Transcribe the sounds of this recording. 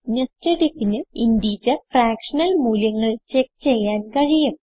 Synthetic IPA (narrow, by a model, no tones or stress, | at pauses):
nesteɽikːinɨind̪iːt͡ɕɐfraːkʂɐnɐlmuːljɐŋːɐɭt͡ɕekːt͡ɕe̞jːaːnkɐɻijum